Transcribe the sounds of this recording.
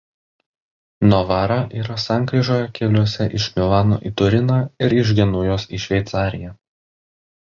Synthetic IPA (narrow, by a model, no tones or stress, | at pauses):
nɔʋɑːɾɑʔiːɾɐsɑˑŋʲkɾʲiːʒoːjɛkʲɛlʲuɔsʲɛʔɪʃʲmʲɪlˠɑːno̰ːʔiːt̪ʊɾʲɪnɑːɪɾɪʒ̬ɡʲɛnʊjoːsiʃʲʋʲɛɪt̪sɑːɾʲɪjæ